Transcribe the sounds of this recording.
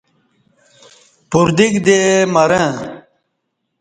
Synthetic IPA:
puɾd̪ikd̪emɐɾə̃

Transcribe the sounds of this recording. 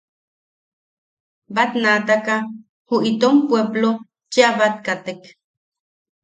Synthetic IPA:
bat̪nat̪aka | huʔit̪ompweblo | t͡ʃeaβat̪̚kat̪ek

